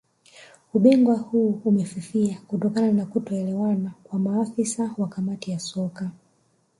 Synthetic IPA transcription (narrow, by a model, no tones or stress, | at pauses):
uɓiŋɡwahuːumɛfifiakutɔkananakutɔɛlɛwanakwamaːfisawakamatijasɔka